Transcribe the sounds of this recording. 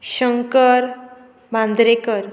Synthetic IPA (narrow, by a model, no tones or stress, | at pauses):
ɕəŋkəɾ | bãnd̪ɾekəɾ